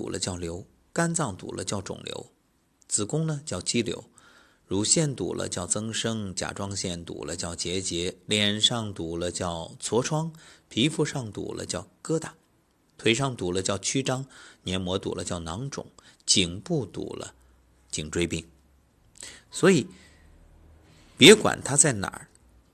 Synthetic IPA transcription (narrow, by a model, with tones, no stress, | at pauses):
t̪ṵ˨˩lʔə̰˦t͡ɕjɑ˥˩ʊljo˧˥ʊ | ka˥nt͡sɑ˥˩ŋt̪ṵ˨˩lʔə̰˦t͡ɕjɑ˥˩ʊʈ͡ʂʊ̰˨˩ŋljo̰˧˥ʊ | t͡sɹ̩˨˩kʊ˥ŋnə˨t͡ɕjɑ˥˩ʊt͡ɕi˥ljo̰˧˥ʊ | ɻu˧˥ɕjɛ˥˩nt̪ṵ˨˩lə̰˦t͡ɕjɑ˥˩ʊt͡sɤ˥ŋʂɤ˥ŋt͡ɕja̰˨˩ʈ͡ʂwɑ˥ŋɕjɛ˥˩nt̪ṵ˨˩lə˦t͡ɕjɑ˥˩ʊt͡ɕjɛ˧˥t͡ɕjɛ˧˥ljɛ˨˩nʂɑ˥˩ŋt̪u˨˩lə˦t͡ɕjɑ˥˩ʊt͡sʰwɔ˧˥ʈ͡ʂʰwɑ˥ŋpʰi˧˥fu˧˥ʂɑ˥˩ŋt̪ṵ˨˩lʔə̰˦t͡ɕjɑ˥˩ʊkɤ˥t̪a˥˩˦ | t̪ʰwe˧˥ɪʂ̬ɑ˥˩ŋt̪u˨˩lə˦t͡ɕjɑ˥˩ʊt͡ɕʰy˥ʈ͡ʂɑ˥ŋnjɛ˧˥nmwɔ˧˥t̪ṵ˨˩lə˦t͡ɕjɑ˥˩ʊnɑ˧˥ŋʈ͡ʂʊ̰˨˩˦ŋt͡ɕi˨˩ŋpu˥˩t̪ṵ˨˩lə̰˦ | t͡ɕi˨˩ŋʈ͡ʂwe˥ɪpi˥˩ŋ | swɔ˧˥i˨˩˦ | pjɛ˧˥kwa̰˨˩nt̪ʰa˥t͡sa˥˩ɪna̰˨˩˦